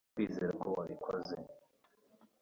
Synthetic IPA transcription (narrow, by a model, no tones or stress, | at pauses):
wiːzeɾakʰowaβikʰoze